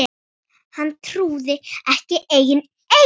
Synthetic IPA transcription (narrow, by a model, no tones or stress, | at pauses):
hanːt̪ʰɾuːðɪɛhcɪʔeːjɪn | e